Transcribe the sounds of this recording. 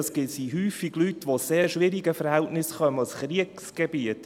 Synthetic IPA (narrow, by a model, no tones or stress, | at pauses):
sɡ̥ɪtsiɦyːfiɡ̥lytʋoseːɾʃʋɪɾiɡəfəɾhæltnɪsχœmɑsχɾiəksɡ̥ebiət